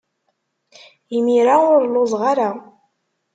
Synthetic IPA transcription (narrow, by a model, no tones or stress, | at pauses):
imiɾaʊɾlʊzˤʁaɾa